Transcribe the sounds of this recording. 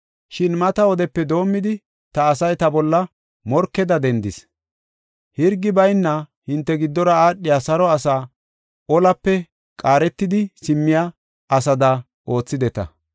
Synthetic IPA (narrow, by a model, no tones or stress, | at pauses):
ʃɪnmɐt̪ɐɔd̪ɛpːɛd̪o̞ːmːɪd̪ɪ | t̪ɐːsɐjt̪ɐbɔlːɐ | mɔɾkːɛd̪ɐd̪ɛnd̪ɪs | hɪɾɡɪbɐjnːɐhɪnt̪ːɛɡɪd̪ːɔɾɐaːɗːɪjasɐɾɔɐsaː | ʔɔlɐpːɛ | kʼaːɾɛt̪ːɪd̪ɪsɪmːɪja | ʔɐsɐd̪ɐ | ʔo̞ːt͡sːɪd̪ɛt̪ɐ̰